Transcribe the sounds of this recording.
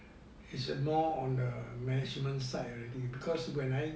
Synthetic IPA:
isəmɔɔ̃ndəmɛnid͡ʒmə̃nsaɪtɔɹɛdibikʰɔswɛ̃naj

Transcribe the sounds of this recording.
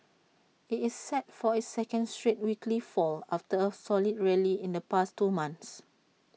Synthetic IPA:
itɪsːɛt̚fɔɪsɛkə̃nstɹit̚wikʰlifɔlaftəəsɔlid̚ɹɛliɪ̃ndəpastːumãnθs

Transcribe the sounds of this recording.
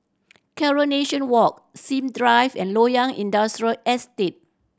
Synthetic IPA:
kʰɛɹoneʃə̃nwɔk̚sĩmdɹajvɛ̰̃nlojãŋĩndastɹiəlɛstet̚

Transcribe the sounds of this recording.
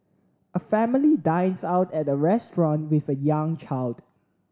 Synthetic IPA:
ʔəfɛmɪlidãɪ̃nsaʊtɛt̚əɹɛstɹɔ̃nwɪfəjãŋt͡ʃaɪld̥

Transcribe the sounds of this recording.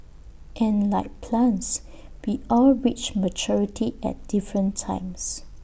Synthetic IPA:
ʔɛ̃nlaɪk̚pʰlãns | wiɔlɹit͡ʃmət͡ʃɔɹitʰiɛ̰t̚d̥ifɹə̃ntʰã̰ɪ̃ms

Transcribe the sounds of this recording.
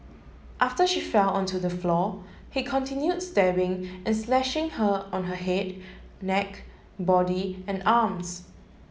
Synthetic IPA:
ʔaftəʃifɛlɔ̃ntudəflɔ | hikʰɔ̃ntʰɪ̃njudstɛbɪ̃ŋʔɛ̃nslɛʃɪ̃ŋhəɔ̃nɦəɦɛd | nɛk | bɔdiɛ̃nams

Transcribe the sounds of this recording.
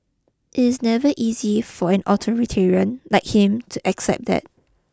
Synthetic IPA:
ʔɪtɪsnɛvəʔizifɔɛ̃nʔɔtʰɔɹitʰɛɹiə̃nlaɪk̚hɪ̃mtʰuʔɛksɛ̰p̚d̪ɛ̰t̚

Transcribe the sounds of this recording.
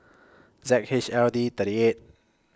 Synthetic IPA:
zɛk̚hɪʃɛldit̪əɾiet̚

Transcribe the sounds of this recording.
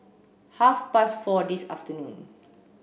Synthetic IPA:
hafpasfɔdisa̰ftənũn

